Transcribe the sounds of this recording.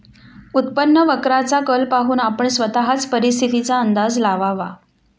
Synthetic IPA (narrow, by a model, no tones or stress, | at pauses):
ut̪pənːəʋəkɾat͡sakəlpaɦuːnapəɳsʋət̪aɦat͡spəɾis̬t̪ʰit̪it͡saənd̪ad͡zlaʋaʋa̰